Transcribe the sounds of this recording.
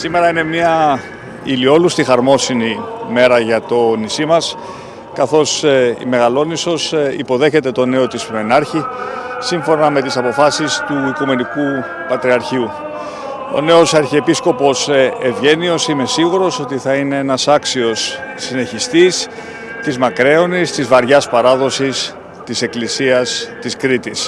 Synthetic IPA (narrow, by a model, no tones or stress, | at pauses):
sime̞ɾɐine̞miɐ | ilio̞lust̪ixɐɾmo̞sinime̞ɾɐʝɐt̪o̞nisimɐs | kɐθo̞sḭme̞ɣɐlo̞niso̞sḭpo̞ðe̞çe̞t̪e̞t̪o̞ne̞o̞t̪ispɾoenɐɾçisiɱfo̞nɐme̞t̪isɐpo̞fɐsist̪uikume̞niku | pɐt̪ɾiɐɾçiu | o̞̰ne̞o̞sɐɾçiepisko̞po̞sevʝe̞nio̞sime̞siɣuɾo̞so̞t̪iθɐine̞enɐsɐksio̞sːine̞çist̪is | t̪izmɐkɾe̞o̞nist̪izvɐɾʝɐspɐɾɐðo̞sis | t̪ise̞klisiɐst̪iskɾit̪is